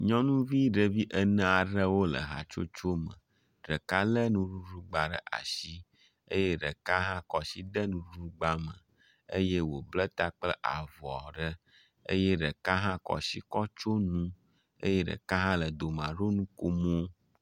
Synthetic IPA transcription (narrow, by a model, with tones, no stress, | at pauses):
ɲɔ̃˦nũ˦vi˦ɖə˨vi˦ʔə˦nə̃˦a˨ɖə˦wo˦lə̰˨ɦa̰˨t͡ʃo̰˦t͡ʃo˦mə̰̃˨ | ɖə˨ka˦lə˦nũ˦ɖu˦ɖu˦ɡ͡ba˨ɖə̰˦ʔa̰˨ʃi˦ | e˦je˦ɖə˨ka˦ɦã˦kɔ˨si˦d̪ə˦nũ˦u˦ɡ͡ba˦mə̃˨ | ə̰˦je˦wo˨blə˦t̪a˦k͡plə˦ʔa̰˨vɔ˨ɖə˦ | ḛ˦jɛ˦ɖə˨ka˦ɦã˦kɔ̰˨si˦kɔ˦t͡ʃo˦nũ˦ | ḛ˦je˦ɖə̰˨ka˦ɦã˦lə˨d̪o˨mã˨ɖo˦nũ˦ko˦mo˦